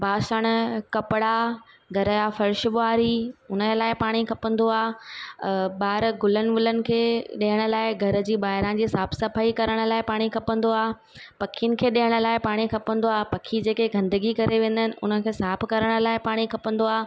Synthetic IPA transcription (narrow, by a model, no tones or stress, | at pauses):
bʱaːʃəɽ̃̆kɐpɪɽa | ɡʱɐɾəjafɐɾʃʊɓʊaːɾiʊnəlaːɪpaːɽ̃ikʰɐpə̃nd̪oaː | ɓaːɦɪɾɡʊlənɪ̆ʋʊlənɪ̆kʰeːɗiːəɽ̃ʊ̆laːɪɡʱɐɾ̆d͡ʑiːɓaːɦɪɾãd͡ʑiːsaːpʰsɐpʰaːikɐɾəɽ̃ʊ̆laːɪpaːɽ̃ikʰɐpə̃n̆d̪oaː | pɐkʰijnɪ̆kʰeːɗiɦəɽ̃ʊ̆laːɪpaːɽ̃ikʰɐpə̃nd̪oaːɦpɐkʰid͡ʑeːkeɡʱɐ̃nd̪əɡikɐɾeʋẽːn̆d̪ənɪ̆ʔʊnə̆kʰeːsaːpʰkɐɾəɽ̃ʊ̆laːɪpaːɽ̃ikʰɐpə̃n̆d̪oaː